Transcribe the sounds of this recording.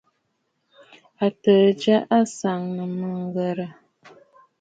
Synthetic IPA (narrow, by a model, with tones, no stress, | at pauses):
a˨tə˨d͡ʒa˦ʔa˦sa˨ŋnə˨mə˨ŋ˦ɡə˨ɾə˨